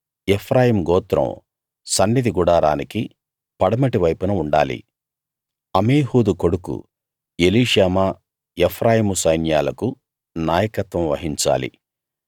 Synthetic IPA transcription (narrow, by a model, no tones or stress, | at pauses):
epʰɾaːjiːmɡɔːt̪ɾɐ̰m | sɐnːid̪iɡuɽaːɾaːniki | pɐɽɐmɐʈiʋɐjpunɐuɳɖa̰ːlḭ | ɐmeːɦuːd̪uko̞ɽukṵ | eliːʂaːmaː | epʰɾʔaːjiːmusɐjnjaːlɐku | naːjɐkɐt̪ʋɐ̃mʋɐ̰ɦiɲt͡ʃa̰ːlḭ